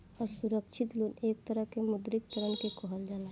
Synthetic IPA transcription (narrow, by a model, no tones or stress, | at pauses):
ɔɾsuɾəkʃʰɪt̪luːneːk̚t̪əɾəɦkemʊd̪ɾɪk̚t̪əɾənkekoɦəld͡ʒalaː